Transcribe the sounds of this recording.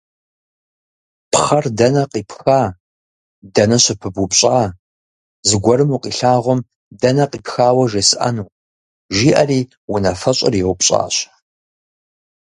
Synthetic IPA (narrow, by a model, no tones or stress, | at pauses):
pʰχɐrdɐnɐqʼiːpʰxaː | dɐnɐɕɪpʰɨbʊpɕʼaː | zɨɡʷɔɾɨmuqʼiːɬaːʁʷɔm | dɐnɐqʼiːpxaːwɐʒesɨʔɐ̰nuː | ʒiːʔɐriː | wʊnɐfɐɕʼɐ̰riʁʷʊpɕʼa̰ːɕ